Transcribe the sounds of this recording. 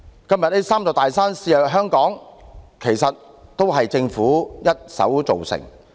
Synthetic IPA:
kɐ˥mjɐ˨t̚ne˥saː˥mt͡sɔ˨˧t̪aː˨jsaː˥nsiː˧œː˨ɦœː˥ŋkɔː˨˥ŋkʰe˨˩jsɐ˨t̚ | t̪o˥wɦɐ˨jt͡sɪ˧ŋfuː˨˥jɐ˥t̚sɐ̰˨˥wt͡so˨wsɪ̰˨˩ŋ

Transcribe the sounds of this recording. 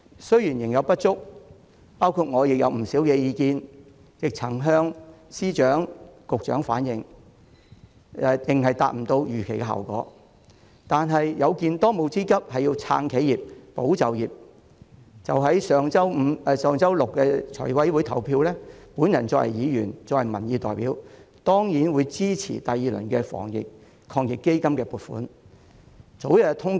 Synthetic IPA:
sɵ˥ɥji˨˩njɪ˨˩ŋjɐ˨˧wpɐ˥t̚t͡sʊ˥k̚ | paː˥wkʰu˧t̚ŋɔː˨˧jɪ˨k̚jɐ˨˧wm̩˨˩siː˨˥wkɛː˧jiː˨˧kiː˧n | jɪ˨k̚t͡sʰɐ˨˩ŋɦœː˥ŋsiː˥t͡ʃœː˨˥ŋkʊ˨k̚t͡ʃœ̰ː˨˥ŋfa̰ː˨˥njɪ˨˧ŋ | ɛ˧t̪ɪ˨ŋɦɐ˨jt̪aː˨t̚m̩˨˩t̪o˧wjyː˨˩kʰe˨˩jkɛː˧ɦɐ̰˨˩wkɔ̰ː˨˥ | t̪aː˨nɦɐ˨jjɐ˨˧wkiː˧nt̪ɔː˥mo˨˧wt͡siː˥kɐ˥p̚hɐ˨jiː˧wt͡sʰa̰ː˧ŋkʰe˨˥jiː˨p̚po˨˥wt͡sɐ˨wjiː˨˩p̚ | t͡sɐ˨wɦɐ˨˥jsœː˨˧ŋt͡sɐ˥wm̩˨˧sœː˨˧ŋt͡sɐ˥wlʊ˨kːɛ˧t͡sʰɔ̰˨˩wɐ˨˥jwuː˨˥jt̪ʰɐ˨˩wpʰiː˧wlɛː˥puː˨˥njɐ˨˩nt͡sɔː˧khɐ̰˨jiː˨˧jyː˨˩nt͡sɔː˧khɐ˨˩jmɐ̰˨˩njiː˨˧t̪ɔ̰ː˨˩jpiː˨˥w | t̪ɔː˥ŋjiː˨˥nwuː˨˧jt͡siː˥t͡sʰḭː˨˩t̪a˨jiː˨˧lɵ̰˨˩nkɛː˧fɔ̰ː˨˩ŋjɪ̰˨k̚ | kʰɔː˧ŋjɪ˨kːe˥jkɐ˥mkɛː˧puː˨t̚fṵː˨˥n | t͡so˨˥wjɐ˧t̪ʰʊ˥ŋ

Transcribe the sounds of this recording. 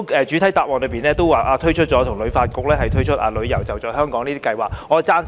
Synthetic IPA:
ɛː˨˧t͡ʃyː˨˥t̪ʰɐ˨˥jt̪aː˨wɔː˨˩nlɵ˨˧˥piː˨˩nɛː˥t̪o˥waː˨˩ʔaː˧t̪ʰɵ˥t͡ʃʰɵ˥t̚t͡ʃɔː˨˧t̪ʰʊ˨˩ŋlɵ˨˧ɥfaː˧t̚kʊ˨˧k̚lɛː˥hɐ˨jt̪ʰɵ˥ɥt͡ʃʰɵ˥t̚ʔa̰ː˧lɵ˨˧ɥjɐ˨˩wt͡sɐ˨wt͡sɔː˨˩jɦœː˥ŋkɔː˨˥ŋniː˥t̪iː˥kɐ˧jwaː˨˩kŋɔː˨˧t͡saː˥n

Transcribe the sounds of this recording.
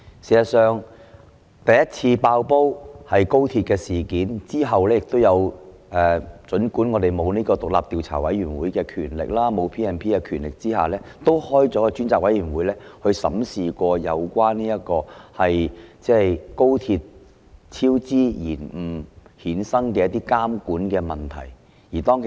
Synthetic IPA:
siː˨˩sɐ˨˩sœː˨˧ŋ | t̪ɐ˨jɐ˥t̚t͡sʰiː˧paː˧wpo˥whɐ˨jko˥wt̪ʰiː˧t̚kɛː˧siː˨kiː˨˥nt͡siː˥ɦɐ˨wlɛː˥jɪ˨k̚t̪o˥wjɐ˨˧w | ʔɛː˨˩t͡ʃɵ˨˥nkuː˨˥nŋɔː˨˧t̪e˨jmo˨˧wniː˥kɔː˧t̪ʊ˨k̚la̰ː˨p̚t̪iː˨˧wt͡sʰa̰ː˨˩wɐ˨˥jyː˨˩nwuː˨˦jkɛː˧kʰyː˨˩nlɪ̰˨k̚laː˥mo˨˧wpʰiː˥ɛː˨˧npʰiː˥kɛː˧kʰyː˨˩nlɪ˨k̚t͡siː˥ha̰ː˨˩lɛː˥t̪o˥whɔː˥jt͡sɔː˨˥kɛ˧t͡ʃyː˥nt͡saː˧k̚wɐ˨˥jyː˨˩nwuː˨˥jlɛː˥hɵ˧ɥsɐ̰˨˥msiː˨kʷɔː˧jɐ˨˧wkʷwaː˥nniː˥jɐ˥t̚kɔː˧hɐ˨jt͡sɛː˥˩jko˥wt̪ʰiː˧t̚ | t͡sʰiː˥wt͡siː˥jiː˨˩nm̩˨˩hiː˨˥nsɐ˥ŋkɛː˧jɐ˥t̪iː˥kaː˥mkuː˨˥nkɛː˧mɐ˨nt̪ʰɐ̰˨˩j | jiː˨˩t̪ɔː˥ŋkʰe˨

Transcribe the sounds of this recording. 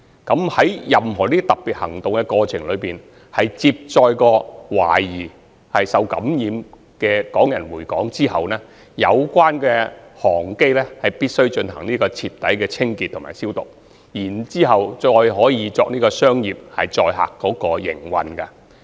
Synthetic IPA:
kɐ˨˥mhɐ˨˥jjɐ˨mɦɔː˨˩niː˥t̪ɐ˨˩p̚pi˨t̚hɐ˨˩ŋt̪ʊ˨ŋkɛ˧kɔː˧t͡sʰɪ˨˩ŋlɵ˨˧piː˨n | hɐ˨jt͡siː˧p̚t͡sɔː˧jkɔː˧wa̰ː˨˩jiː˨˩ | hɐ˨jsɐ˨˧wkɐ̰˨˥mjiː˨˧m | kɛː˧kɔː˨˥ŋjɐ˨˩nwuː˨˩jkɔː˨˥ŋt͡siː˥ɦɐ˨wnɛː˥ | jɐ˨˧wkʷaː˥nkɛː˧hɔː˨˩ŋke˥jlɛː˥hɐ˨jpiː˥t̚sɵ˥ɥt͡ʃɵ˧nhɐ̰˨˩ŋniː˥kɔː˧t͡sʰiː˧p̚t̪ɐ˨˥jkɛː˧t͡sʰɪ˥ŋkiː˨t̪ʰːʊ˨˩maː˨˩siː˥wt̪ʊ̰˨k̚ | jiː˨˩nt͡siː˥ɦɐ˨wt͡ʃɔː˧jɦɔː˨˥jiː˨˧t͡sɔː˧k̚niː˥kɔː˧sœː˥ŋjiː˨p̚hɐ˨jt͡ʃɔː˧jɦa̰ː˨kːɔː˨˥kɔː˧jɪ̰˨˩ŋwɐ̰˨nkɐ˧

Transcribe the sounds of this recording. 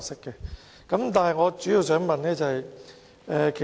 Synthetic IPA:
sɪ˥kːɛ˧ | kɐ˨˦˥mt̪aː˨nɦɐ˨jŋɔː˨˧t͡ʃyː˨˥ji˨˧wsœː˨˥ŋmɐ˨nnɛː˥t͡sɐ˨hɐ˨j | ɛː˨kʰe˨

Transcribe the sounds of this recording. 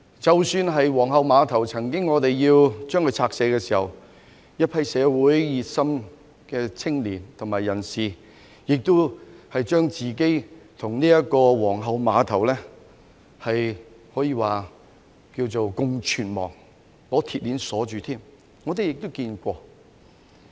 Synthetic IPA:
t͡sɐ˨˩wsyː˧nɦɐ˨jwɔː˨˩ŋɦɐ˨˧wmaː˨˧t̪ʰɐ˨˩wt͡sʰɐ˨˩ŋkɪ˥ŋːɔː˨˧t̪e˨jjiː˧wt͡ʃœː˥ŋkʰɵ˧˥t͡sʰaː˧k̚sɛː˨˧˥kɛː˧siː˨˩hɐ˨w | jɐ˥t̚pʰɐ˧jsɛː˨˧wuː˨˥jjiː˨t̚sɐ˥m | kɛː˧t͡sʰɪ˥ŋliː˨˩nt̪ʰʊ˨˩ŋmaː˨˩jːɐ˨˩nsiː˨˩ | jɪ˨k̚t̪ʊ˥whɐ˨jt͡ʃœː˥ŋt͡siː˨ke˥jt̪ʰʊ˨˩ŋniː˥jɐ˥kɔː˧wɔː˨˩ŋɦɐ˨˧wmaː˨˧t̪ʰɐ˨˩wlɛ˥ | hɐ˨j | hɔː˨˥jiː˧waː˨˩ | kiː˧wt͡so˨wkʊ˧ŋt͡ʃʰyː˨˩nmɔ̰ː˨˩ŋ | lɔː˨˥t̪ʰiː˨t̚liː˨˥nsɔː˨˥t͡ʃyː˨˧t̪ʰiː˥m | ŋɔː˨˧t̪e˨jɪ˨k̚t̪ʊ˥wkiː˧nkʷɔː˧

